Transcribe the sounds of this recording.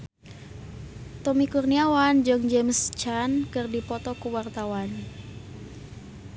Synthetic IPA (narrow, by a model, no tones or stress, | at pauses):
t̪ɔmikurniawand͡ʒɨŋd͡ʒemst͡ʃankɨrdipɔt̪ɔkuwart̪awan